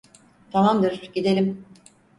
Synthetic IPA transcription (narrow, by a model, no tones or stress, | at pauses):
t̪ʰamamd̪ɯɾɟid̪elʲim